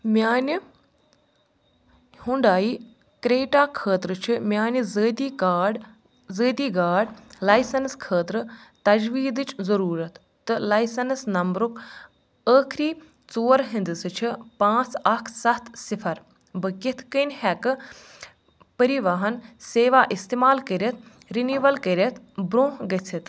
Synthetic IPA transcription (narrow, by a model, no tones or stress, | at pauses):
mʲaːnʲ | huɳɖaːiː | kɾeːʈaːkʰəːt̪ɾɨt͡ʃʰimʲjaːnʲɨzəːt̪ikaːɖ | zəːt̪iːɡaːɖlɐjsɐnskʰəːt̪ɾɨt̪ɐd͡ʒʋiːd̪ɨt͡ʃʰzɐɾuːɾɐt̪ːɨlɐjsɐnsnɐmbɾuk | əːkʰɾiː | t͡soːɾɦind̪ɨsɨt͡ʃʰipãːt͡sɐkʰsɐt̪ʰsifʰɐɾ | bɨkit̪ʰkənhɛkɨ | pəɾiʋaɦɐnseːʋaːʔist̪eːmaːlkəɾʲɐt̪̚ | ɾinuːʋɐlkəɾʲɐt̪ʰ | bɾõːɦɡɐt͡sʰit̪